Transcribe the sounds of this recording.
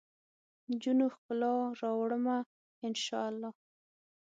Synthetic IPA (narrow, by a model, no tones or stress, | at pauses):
nd͡ʒunoxkəlɑɾɑwɽəma | ɪnʃɑ̰alːɑ